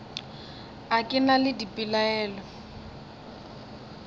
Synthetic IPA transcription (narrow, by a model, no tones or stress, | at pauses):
akʼɪnalɪdipʼɪlaɛːlɔ